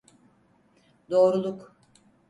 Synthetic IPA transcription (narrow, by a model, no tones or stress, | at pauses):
d̪o̞ːɾulˠuk